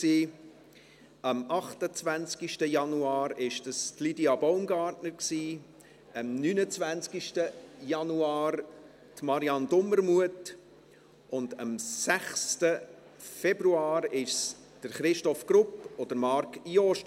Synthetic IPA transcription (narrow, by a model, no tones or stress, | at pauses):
siː | ʔəmɑχtət͡svænt͡skiʃtəjɑnuɑːɾɪʃd̥əstlidiɑbɔʊmɡɑːɾtnəɾksiː | əmnyːnət͡svænt͡skiʃtəjɑnuɑːɾ | tmɑɾiɑndʊməɾmuət | ʊndəmsæχstə | fɛbɾuɑːɾɪʃ | d̥əɾχɾɪʃtɔfɡ̥ɾʊpɔd̥əɾmɑɾkjoːʃ